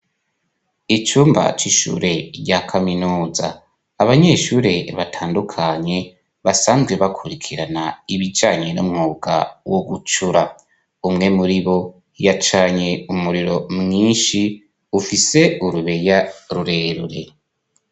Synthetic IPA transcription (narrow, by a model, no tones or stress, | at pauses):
it͡ʃuːmba̰t͡ʃiʃṵɾe̞ɾɟakʰaminuːza̰ː | βaɲeːʃuːɾe̞βatʰaːndukʰaɲe̞ | βasaːnzɡwe̞βakʰuɾikʰiɾanaiβid͡ʒaːɲenṵmŋuːɡ̥a̰woɡut͡ʃuɾa | umŋe̞muɾiβo̞ | jat͡ʃaːɲe̞umuɾiɾo̞mŋiːnʃi | ufise̞uɾuβe̞jaɾuɾe̞ɾuɾe̞